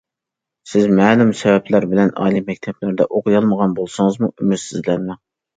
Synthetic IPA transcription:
sɪzmɛːlˠumsɛvɛplæɾbɪlɛnɑ̰ːlˠimɛk̚ʲt̪ʰɛplæɾd̪ɛʔoqʰɨjɑlˠməʁɑnbolˠsɨŋəzmuymyt̪sizlɛnmɛ

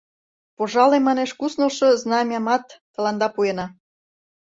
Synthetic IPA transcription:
poʒɑlemːɑneʃkusnolʃoznɑmʲjɑmɑt̪ːəlɑnd̪ɑpuenɑ

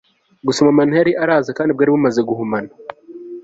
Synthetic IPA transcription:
ɡusomamanihaɾiʔaɾaːzakaːndib̚ɡaːɾiβumazeɡuɦumana

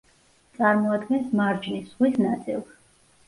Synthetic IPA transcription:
t̪sʼaɾmɔad̪ɡɛnsmaɾd͡ʒnisʁwisnat̪sʼḭlˠ

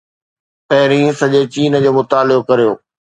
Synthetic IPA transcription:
pɐɦɪɾĩːsɐʄet͡ɕiːn̆d͡ʑoːmʊt̪aːlɪbokɐɾijoː

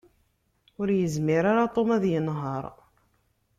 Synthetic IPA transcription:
ʊɾjəzmɪɾaɾat̪ˤomæðjənɦɑɾˤ

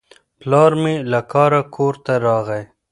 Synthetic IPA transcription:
plɑːɾmilakɑːɾakʰoːɾt̪aɾɑːɣaj

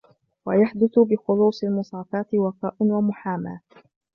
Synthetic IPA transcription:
wajaħd̪ʊθʊbɪxʊluːsˤɪlmʊsˤɑːfɑːt̪ɪwɑqɑːʔʊnwamʊħaːma̰ː

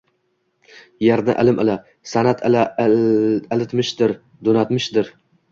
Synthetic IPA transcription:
jaɾd̪ɪ̰ʔɪ̰lɪmʔɪla | sanat̪ʰɪla | lɪt̪mɪʃd̪ɪɾ | d̪onat̪mɪʃd̪ɪɾ

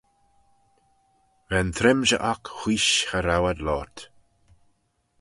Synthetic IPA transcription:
ɾɛnt̪ʰɾɪmʒə̰ʔakxiːʃxəɾawad̪lɔːɹt̪

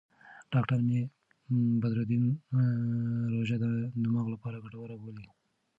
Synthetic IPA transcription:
ɖ̥ɑkʈaɾme | bad̪ɾod̪im | ɾoʒad̪ənamaɣlapɑɾaɡaʈawaɾaboli

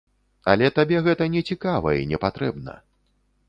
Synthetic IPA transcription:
a̰lʲɛt̪abʲɛɣɛt̪ɐnʲɛt͡sʲikavɐ̰inʲɛpat̪ɾɛbnɐ̰

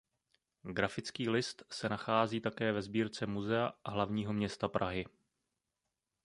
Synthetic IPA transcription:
ɡɾafɪt͡skiːlɪst̪sɛnaxaːziːt̪akɛːvɛzbiːɾt͡sɛmuzɛaɦlavɲiːɦo̞mɲɛst̪apɾaɦɪ

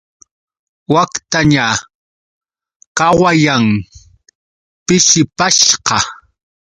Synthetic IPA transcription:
wakt̪aɲa | kɑwajaŋ | pɪʃɪpaʃqɑ

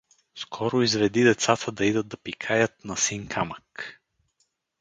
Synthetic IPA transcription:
skʰɔɾʊizvɛd̪id̪ɛt̪sat̪ʰəd̪ɐid̪əd̪̚d̪ɐpikʰajət̪̚nɐsiŋkʰamək

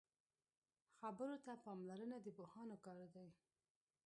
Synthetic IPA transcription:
xabəɾot̪apɑmlaɾənad̪əbohɑnokɑɾd̪aj

